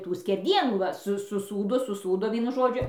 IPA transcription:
ˈtuː sʲkʲɛrʲˈdʲiɛnuː ˈʋɐ sʊ sʊˈsuːdoː sʊˈsuːdoː ˈʋʲiɛnʊ ˈʒoːd͡ʒʲʊ

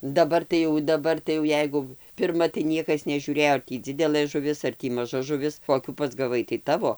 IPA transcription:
dɐˈbɐr tɐɪ ˈjɛʊ dɐˈbɐr tɐɪ jɛʊ ˈjɛɪɡʊ pʲɪrˈmɐ tɐɪ ˈnʲiɛkɐs nʲɛʒʲuːˈrʲeːjoː ɐr ˈtʲiː ˈd͡zʲɪdʲɛlˠɘ ʒʊ ʋʲɪs ɐr ˈtʲiː mɐˈʒɐ ʒʊˈʋʲɪs ˈkoːkʲuː pɐzɡɐˈʋɐɪ tɐɪ ˈtɑːʋoː

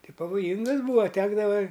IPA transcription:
ˈtʲɪ pɐʋoːˈjiːŋɡɐs ˈbuːɐ ˈtʲæːɡdɐʋɐ

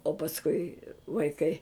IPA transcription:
oː pɐsˈkʊɪ ʋɐɪˈkɐɪ

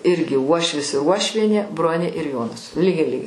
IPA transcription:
ˈɪrʲɡʲɪ ˈuɔʃʲʋʲɪs ɪr ˈuɔʃʲʋʲiɛnʲeː ˈbroːnʲeː ɪr ˈjoːnɐs ˈlʲiːɡʲɛɪ ˈlʲiːɡʲɛɪ

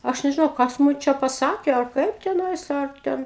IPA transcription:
ˈɐʃ nʲɛʒʲɪˈnɐʊ ˈkɐs mʊm ˈt͡ʃʲɛ pɐˈsɑːkʲeː ɐr ˈkɐɪp tʲɛˈnɐɪs ɐr ˈtʲɛn

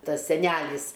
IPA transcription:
ˈtɐs sʲɛˈnʲælʲɪs

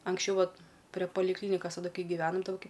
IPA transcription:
ɐŋksʲˈt͡ʃʲɛʊ ˈʋɐt pʲrʲɛ pɐlʲɪkˈlʲiːnʲɪkɐs tɐˈdʊ ˈkɐɪ ɡʲɪʋʲɛnɐm ˈtoːkʲɪ

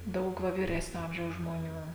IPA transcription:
ˈdɐʊk ˈʋɐ ʋʲiːˈrʲæːsʲnʲoː ˈɐmʲʒʲɛʊs ʒmoːˈnʲuː

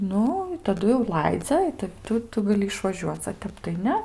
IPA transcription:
ˈnʊ ɪ tɐˈdʊ jɛʊ ˈlˠɐɪd͡zʲɛ ɪ ˈtɐ ˈtʊ ˈtʊ ɡɐˈlʲɪ ɪʃʋɐˈʒʲuɔt͡s ɐ ˈtʲɛp tɐɪ ˈnʲɛ

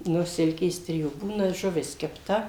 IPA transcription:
ˈnʊ ˈsʲɪlʲkʲeːs ˈtʲrʲɪjuː ˈbuːnɐ ʒʊˈʋʲɪs kʲɛpˈtɐ

